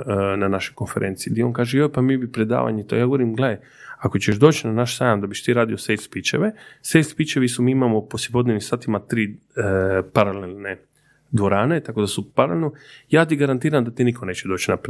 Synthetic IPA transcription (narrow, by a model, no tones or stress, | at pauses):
nanaʃojko̞nfe̞ɾeːnt̪sid̪ieo̞ːnkaːʒejojpamibipɾed̪a̰ːʋa̰ɲet̪ojaːɡo̞ʋoɾimɡlee | ako̞t͡ɕeʃd̪o̞ːt͡ɕnanaʃsaːjamd̪abiʃt̪iːɾaːd̪iosejlspit͡ʃeʋesejlspit͡ʃeʋisumiːimamoposjepo̞d̪nenimsaːt̪imat̪ɾiː | paɾalelne | d̪ʋo̞ɾaːne̞t̪ako̞d̪asupaɾalelnojaːt̪iɡaɾant̪iːɾamd̪at̪inikʰo̞neːt͡ɕed̪o̞ːt͡ɕnap